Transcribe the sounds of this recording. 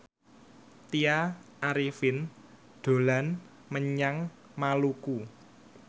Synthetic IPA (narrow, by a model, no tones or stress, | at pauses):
t̪iaʔaɾifɪn | d̪̥o̤lan | məɲaŋ | maluku